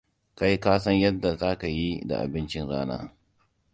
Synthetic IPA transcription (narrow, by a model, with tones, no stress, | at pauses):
ka˦ji˦kaː˦sɐ˦ɲjɐ˦dːa˨za˦ka˨ji˦da̰˨ʔa̰˨bɪ˦nt͡ʃɪ˦nɽaː˦na̰ː˦